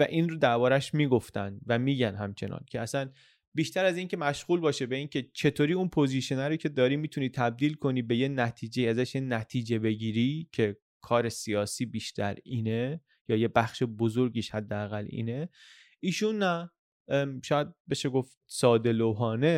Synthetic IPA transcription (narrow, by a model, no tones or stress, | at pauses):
væ̰ʔiːnɾod̪æɾbɒːɾæʃmiːɡo̞ft̪ænd̪væmiːɟænɦæmt͡ʃʰe̞nɒ̰ncʰe̞æsæn | biːʃt̪æɾæziːncʰe̞mæʃɣuːlbɒːʃebe̞iːncʰe̞t͡ʃʰe̞t̪ʰoːɾiːunpʰo̞ziːʃenæɾoːcʰe̞d̪ɒːɾiːmiːt̪ʰuniːt̪ʰæb̚d̪iːlkʰo̞niːbe̞jenæt̪ʰiːd͡ʒeiːæzæʃjenæt̪ʰiːd͡ʒe̞be̞ɟiːɾiːcʰe̞ | kʰɒːɾe̞siɒːsiːbiːʃt̪ʰæ̰ɾiːne | jɒːjebæxʃe̞bozoɾɟiːʃhæd̪ːeæɣælʔḭːne̞ | iːʃunːæ | ʃɒːjæd̪̚be̞ʃeɡoft̪̚sɒːd̪e̞loɦɒːne̞